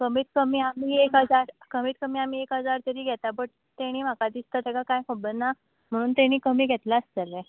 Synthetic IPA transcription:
kəmiːt̪̚kəmiːamiːekɦəd͡zaɾkəmiːt̪̚kəmiːamiːekɦəd͡zaɾt̪əɾiːɡʱɛt̪abəʈ | t̪eɽ̃iːm̤akad̪ist̪ət̪ɛɡakajkobənːa | m̤əɽ̃uːnt̪eɽ̃iːkəmiːɡʱɛt̪laəsd͡zəlɛ

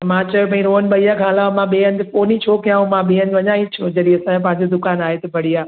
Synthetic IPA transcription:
mãt͡ɕɐjopɐ̃ĩɾoːənɓɐijakʰãːlaːmãɓeːənd̪ɪfoːnit͡ɕʰokijaːɦõmãɓĩːɦə̃nd͡ʑ̪ʋɐɲaːĩt͡ɕʰod͡ʑɐɾiɐsãẽpɐ̃ɦɪ̃ɲd͡ʑod̪ʊkaːnaːɦet̪ɐbʱɐɽiaː

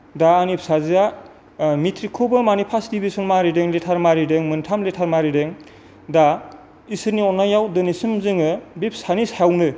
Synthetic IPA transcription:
daːnip̚sazia | mitʰɾikʰubɯmanipʰasdibisɔnmaɾideŋletʰaɾmaɾideŋmɯntʰamletʰaɾmaɾideŋ | da | isɯɾniɔnːajawdɯnisɯmzɯŋɯbip̚sanisaawnɯ

